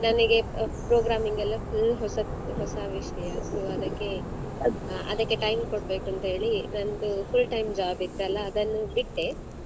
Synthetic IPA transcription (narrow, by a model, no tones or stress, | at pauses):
nɐnɐɡe̞pɾoːɡɾaːmiŋɡɐlːɐfʰulɦɔsɐ | ɦɔsɐʋiʃɐjɐsoɐd̪ɐkːe̞ | ɐ̰d̪ɐkːe̞ʈɐjmkoɽbe̞ːkuɐnt̪ɐɦe̞ːɭinɐnd̪upʰulʈɐjmd͡ʒaːbit̪ːeɐlːɐːd̪ɐnːubiʈːe